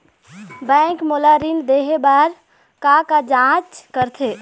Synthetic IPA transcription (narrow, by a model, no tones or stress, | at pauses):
bɛ̃ŋkmolaɾind̪eɦebaɾ | kakad͡ʒãt͡ʃkəɾt̪ʰe